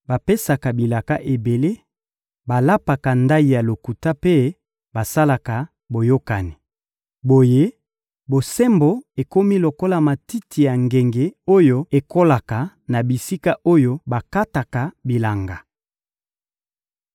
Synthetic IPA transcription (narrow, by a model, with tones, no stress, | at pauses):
ba˨pe˦sa˨ka˨bi˨la˨ka˦ʔe˨be˨le˦ | ba˨la˦pa˨ka˨nda˦i˨ja˨lo˨ku˨ta˦pe˦ | ba˨sa˦la˨ka˨ | bo˨jo˦ka˨ni˨ | bo˨je˦ | bo˨sɛ˦mbo˦e˨ko˦mi˦lo˨ko˦la˨ma˨ti˦tʰi˨ja˨ŋɡe˨ŋɡe˨o˦jo˦e˨ko˦la˨ka˨ | na˨bi˨si˦ka˦ʔo˦jo˦ba˨ka˦ta˨ka˨bi˨la˨ŋɡa˨